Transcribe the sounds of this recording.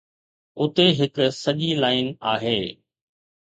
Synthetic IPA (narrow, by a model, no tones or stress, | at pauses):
ʊt̪eɦɪksɐʄilaːɪna̰ːɦeː